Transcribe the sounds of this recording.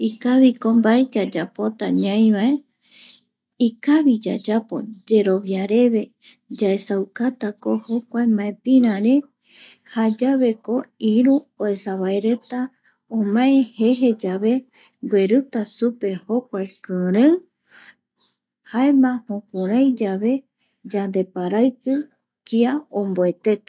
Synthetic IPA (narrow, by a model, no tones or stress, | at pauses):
ikaβiko̞mbaed͡ʒad͡ʒapo̞t̪aɲãj̃βae | ikaβid͡ʒa̰d͡ʒapo̞̰d͡ʒe̞ɾo̞βjaɾe̞βe̞ | d͡ʒae̞sawkat̪akoho̞kʷaemãẽpĩɾ̃ãɾe | had͡ʒaβe̞ko̞iɾuoe̞saβaeɾet̪a | õmãẽhe̞ɦe̞d͡ʒaβe̞ | bweɾɨt̪asupe̞ho̞kʷaekɨ̃ɾɨ̃ | haemãhõkũɾãjd͡ʒaβe̞ | d͡ʒand̪e̞paɾajpɨ | kiaõmboe̞t̪e̞t̪ḁ